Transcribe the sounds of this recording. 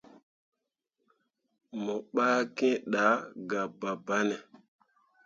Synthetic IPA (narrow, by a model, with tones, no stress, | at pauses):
mɔ˨ɓaː˦kẽ˦ɗa˨˦ɡa˨ba˨ba˦nɛ˨